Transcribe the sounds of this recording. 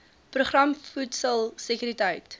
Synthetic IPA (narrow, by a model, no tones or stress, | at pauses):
proχrɐmfutsəlˠsəkyɾitəjt